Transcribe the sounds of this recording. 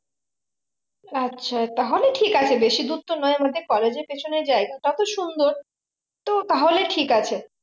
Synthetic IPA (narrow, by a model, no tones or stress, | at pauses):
atːɕʰat̪aɦoleʈʰikat͡ɕʰebeʃid̪ut̪ːonɔemad̪ʱekɔled͡ʑeɾpet͡ɕʰoneɾd͡ʑaeɡaʈat̪oʃund̪oɾ | t̪ot̪aɦoleʈʰikat͡ɕʰe